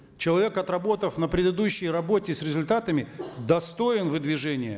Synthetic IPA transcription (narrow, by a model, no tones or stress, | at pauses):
t͡ɕɪlˠɐvʲe̞kɐt̪rɐbo̞t̪əfnəpɾʲɪd̪ɨd̪uɕːɪjrɐbotʲɪsɾʲɪzʊlʲt̪at̪əmʲɪd̪ɐst̪o̞ɪnvɨd̪vʲɪʐɛnʲɪjə̰